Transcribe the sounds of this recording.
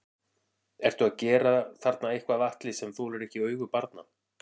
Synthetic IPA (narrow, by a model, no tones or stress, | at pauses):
ɛɾ̥t̪uaðcɛːɾaθaɾt̪naehkvavaht̪lɪsɛmθuɾɛɾɛhcɪœːɥɣʏpaɾt̪̚na̰